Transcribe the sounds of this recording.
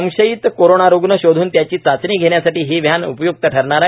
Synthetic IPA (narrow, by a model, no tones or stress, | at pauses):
əŋɕəjiːt̪koɾoɳaɾuɡnəɕod̪ʱuːnt̪jat͡ɕiːt͡sat͡sɳiːɡʱeɳjasaʈiːɦiʋjanṵpəjuk̚t̪əʈʰəɾɳaɾa